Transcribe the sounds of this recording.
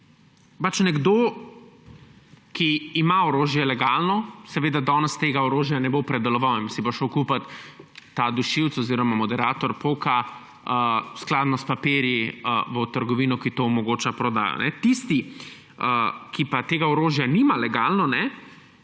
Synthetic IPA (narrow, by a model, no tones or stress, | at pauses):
pat͡ʃnɛɡd̪o | kiːmaɔɾoːʒjɛlɛɡaːlnɔsɛʋeːd̪ad̪ɔːnɛst̪eːɡaɔɾoːʒjanɛbopɾɛd̪ɛlɔʋawinsiboʃəwkupat̪ː | ad̪uʃiwt̪sɔziːɾɔmamɔd̪ɛɾaːt̪ɔɾpoka | əsklaːd̪nɔspapeːɾjiəʋət̪əɾɡɔʋiːnɔkit̪oːmɔɡoːt͡ʃapɾɔd̪a̰ːjɔ̰nɛt̪ist̪i | əkipat̪eːɡaɔɾoːʒjanimalɛɡaːlnɔnɛ